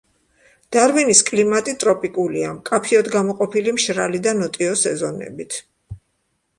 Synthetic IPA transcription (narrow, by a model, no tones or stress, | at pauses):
d̪̥aɾviniskʼlimat̪ʼit̪ʼɾɔpʼikʼuliamkʼapʰiɔd̪ɡamɔqʼɔpʰilimʃɾalid̪anɔt̪ʼiɔsɛzɔnɛ̰bit̪ʰ